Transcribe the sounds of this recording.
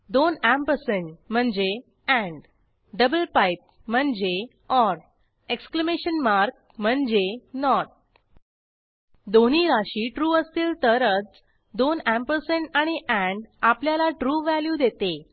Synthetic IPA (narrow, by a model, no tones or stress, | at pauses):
d̪onæmpəɾseɳʈm̤əɳd͡ze | æ̃ɳɖ | ɖəbəlpajp̚ | m̤əɳd͡ze | ɔɾ | ekskləmeɕənmaɾk̚m̤əɳd͡zenɔʈ̚ | d̪oniːɾaɕiːʈɾuːəst̪iːlt̪əɾət͡s | d̪onæ̃mpəɾseɳʈaɽ̃iʔæ̃ɳɖapljalaʈɾuːʋæljud̪et̪e